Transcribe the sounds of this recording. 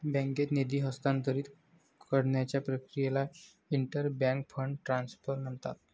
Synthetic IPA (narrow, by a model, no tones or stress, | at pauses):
bɛ̃ŋket̪ned̪iːɦəst̪ant̪əɾiːt̪ | kəɽɳjat͡ɕjapɾəkɾijela | iɳʈəɾbãŋk̚fʰəɳɖʈɾansfəɾnənt̪a̰t̪